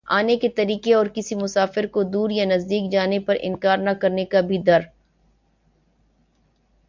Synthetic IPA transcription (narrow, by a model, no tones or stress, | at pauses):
aːneket̪ɐɾiːkeɔːɾkɪsimʊsaːfɪɾkod̪uːɾjanɐzd̪iːk̚d͡ʒaːnepɐɾɪ̰̃nkaːɾnɐkɐɾnekabʱid̪ɐɾ